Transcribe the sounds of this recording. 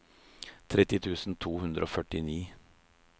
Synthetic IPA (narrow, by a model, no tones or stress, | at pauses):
t̪ʰɾɛt̪ːɪt̪ʰʉːsn̩t̪ʰuːhʉnd̪ɾəoːfœʈɪniː